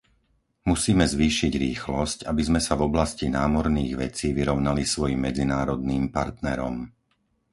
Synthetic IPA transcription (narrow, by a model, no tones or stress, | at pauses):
musiːmɛzʋiːʃiɟɾiːxlɔscabizmɛsavɔblascinaːmɔɾniːɣʋɛt͡siːʋiɾɔʊnalisʋɔjimːɛd͡zinaːɾɔd̪niːmpaɾt̪nɛɾɔ̰m